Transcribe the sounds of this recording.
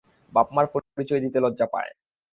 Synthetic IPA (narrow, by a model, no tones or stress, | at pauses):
bapmaɾpooɾit͡ɕoed̪it̪elɔdːapa̰e